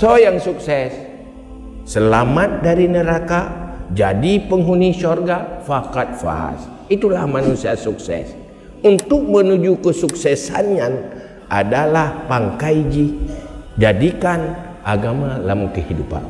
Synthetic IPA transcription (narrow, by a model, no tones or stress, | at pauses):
sojaŋsuksɛsː | əlamat̪̚daɾinəɾakad͡ʒadipəŋɦunisɔrɡafakat̪̚fa̰s | it̪ulahmanusiasuksɛ̰s | unt̪ʊk̚mənud͡ʒukəsuksɛsa̰nɲan | ʔa̰dalahpaŋkajd͡ʒi | d͡ʒadikan | ʔaɡamalamuŋkəhidupa̰n